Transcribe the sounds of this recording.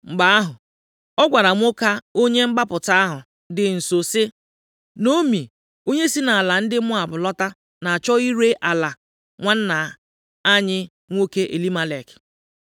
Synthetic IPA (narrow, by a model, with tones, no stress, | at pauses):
ŋ͡m̩˨ɡ͡ba˦a˦ɦʊ˨ | ɔ˦ɡʷa˨ɾa˨ŋʷ˦o˦ka˦o˦ɲe˦ŋ͡m̩˦ɡ͡ba˦pʊ˨ta˦a˦ɦʊ˨ | dɪ˨n̩˨so˨sɪ˦ | no˦mi˨ | o˦ɲe˦si˦na˨a˨la˨n̩˦dɪ˦mʊ˦a˨bʊ˨lɔ˦ta˦ | na˨a˨t͡ʃɔ˦i˦ɾe˦ʔa˨la˨ | ŋʷa˦n̩˦na˨ | a˦ɲɪ˦ | ŋʷo˦ke˦ʔe˨li˦ma˦le˨kɪ̥˨